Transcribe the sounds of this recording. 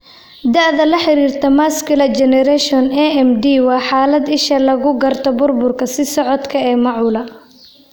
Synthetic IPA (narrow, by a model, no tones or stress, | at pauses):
d̪ɐʕðɐlɐħɪɾiːrt̪ʰɐmaːskɪlɐt͡ʃɛnɛɾɛʃɔnɛɛmd̪iːwɑːħaːlɐd̪ɪʃɐlɐɣʊɡɐrt̪ʰɔbʊrbʊrkʰɐsɪsɔʕɔd̪kʰɐɛːmɑʕʊːlɐ